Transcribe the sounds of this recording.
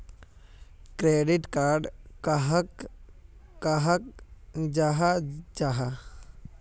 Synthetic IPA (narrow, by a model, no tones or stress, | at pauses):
kɾeːɖɪʈkaːɾɖkaɦək | kaɦakd͡ʒaɦad͡ʒaɦa